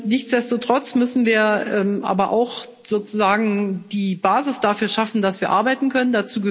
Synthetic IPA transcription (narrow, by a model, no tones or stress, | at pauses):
nɪçt͡sd̥ɛstotʁ̥ɔt͡smʏsn̩viːɐʔɛmʔa̰ːbɐʔa̰ʊx | z̥oːt͡suzaːɡŋ̩d̥iːbaːzɪsd̥afyːɐʃafn̩d̥asv̥iːɐʔa̰ɐbaɪtn̩kʰœnəndat͡suːɡə